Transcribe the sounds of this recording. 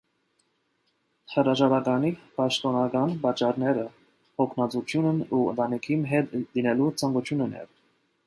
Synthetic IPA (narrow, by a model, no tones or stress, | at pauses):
həɾɑʒɑɾɑkɑnipɑʃt̪ɔnɑkɑnpɑt͡ʃːɑɾnɛɾə | hɔkʰnɑt͡sut͡ʃʰjunənuə̰nt̪ɑnikʰinɦɛt̪linɛlut͡sʰɑŋɡut͡ʃʰjunən̰ɛ̰v